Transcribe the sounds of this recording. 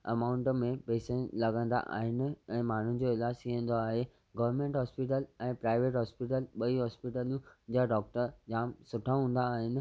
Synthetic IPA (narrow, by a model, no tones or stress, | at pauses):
ɐ̰maːʊ̃ɳʈmẽpeːsə̃lɐɡə̃nd̪a̰ʔa̰ːɦɪnɪ̆ɛ̃ːmaːɳ̤ʊnɪ̆d͡ʑoɪlaːd͡ʑiɦə̃n̆d̪oaːɦe | ɡɐʋəɾmẽːɳʈɦɔːspiʈəlɛ̃ːpɾaːɪʋeːʈɦɔːspiʈ̬əlɓɐiɦɔːspiʈəlũd͡ʑaɖɔːk̚ʈəɾd͡ʑaːmsʊʈʰaɦũːn̆d̪aːɦɪnɪ̆